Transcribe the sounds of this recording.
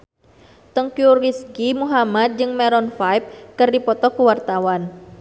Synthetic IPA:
t̪ɔŋkiuriskimuɦamat̪̚d͡ʒɨŋmɛɾɔnfajp̚kɨrdipɔt̪ɔkuwart̪awan

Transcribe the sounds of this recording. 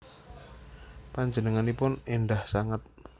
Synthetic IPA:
paɲd͡ʒənəŋanipʊnendahsaŋat̪̚

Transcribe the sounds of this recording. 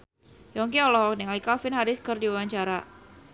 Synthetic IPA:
jɔŋk̬eɔlɔɦɔknɛŋlikafɪnɦaɾɪskərdiwawaɲt͡ʃaɾa

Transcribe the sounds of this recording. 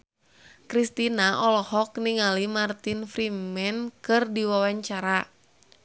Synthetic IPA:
kɾist̪inaʔɔlɔhɔkniŋalimart̪infɾimɛnkɨrdiwawaɲt͡ʃaɾa

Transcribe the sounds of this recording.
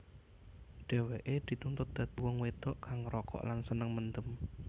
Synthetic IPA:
ɖ̥e̤weʔed̪̥i̤t̪unt̪ʊt̪̚d̪̥ä̤t̪uwɔŋwet̪ɔʔkaŋrɔkɔ̰ʔlansənəŋmənd̪əm

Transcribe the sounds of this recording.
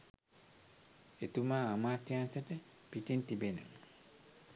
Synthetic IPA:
et̪umaːmaːt̪jansəʈə | pitint̪ibenṵm

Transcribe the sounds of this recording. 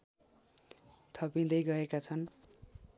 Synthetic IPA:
t̪ʰʌpĩd̪ʌjɡʌekat͡sʰʌn

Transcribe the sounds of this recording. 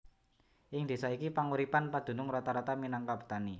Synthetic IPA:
ʔɪŋd̪̥e̤saikipaŋuɾipanpad̪̥ṳnʊŋɾɔt̪aɾat̪aminaŋkab̥ṳ̥t̪ani

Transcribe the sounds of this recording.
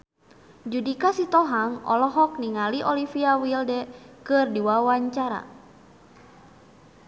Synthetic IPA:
d͡ʒudikasit̪ɔɦaŋɔ̰lɔɦɔk̚niŋaliʔɔlifiawildɛkɨrdiwawaɲt͡ʃaɾa̰

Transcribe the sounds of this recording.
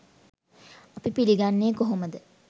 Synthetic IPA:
apipiliɡanːeːkoɦoməd̪ə

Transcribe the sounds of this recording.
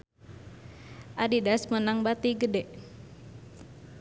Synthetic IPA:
ʔadidasmənaŋbat̪iɡədɛʔ

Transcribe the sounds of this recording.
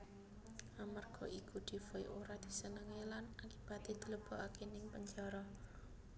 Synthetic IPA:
ʔamarɡ̥ɔʔikud̪̥i̤fɔj̰ʔoɾad̪̥i̤sənəŋelanakib̥a̤t̪ed̪̥i̤ləb̥ɔ̤ʔakenɪŋpəɲd͡ʒaɾɔ

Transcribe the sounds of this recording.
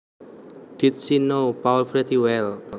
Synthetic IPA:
d̥it̪̚sinopaulfɾet̪iwɛl

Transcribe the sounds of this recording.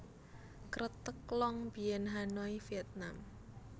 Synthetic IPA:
kɾət̪əklɔŋb̥ijɛnɦanɔifiɛt̪̚nam

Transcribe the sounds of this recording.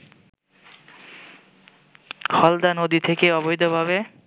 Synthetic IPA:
hɔld̪anod̪it̪ʰekeɔbojd̪obʱabe

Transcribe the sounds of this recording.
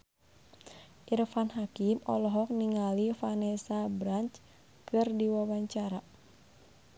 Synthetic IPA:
ʔirfanɦakimɔ̰lɔɦɔk̚niŋalifanɛsabɾaɲt͡ʃ | kɨrdiwawaɲt͡ʃaɾa

